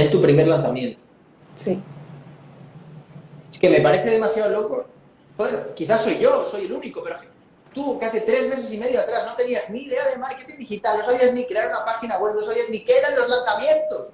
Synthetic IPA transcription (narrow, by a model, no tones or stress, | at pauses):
ent̪upɾime̞ɾlanθamjẽ̞nt̪o̥ | si | eske̞me̞paɾe̞θeð̞e̞masjaolo̞ko̞ | xoðeɾkiθasːo̞jʝo̞so̞je̞luniko̞pe̞ɾo | t̪ukeaθe̞t̪ɾe̞zme̞s̬e̞sime̞ðjoat̪ɾazno̞t̪e̞niazniːðe̞aðemaɾke̞t̪ind̪ixit̪alno̞saβiaznikɾe̞aɾunapaxinaɣwe̞βno̞saβiaznikeɾanlo̞zlanθamjẽ̞nt̪o̞s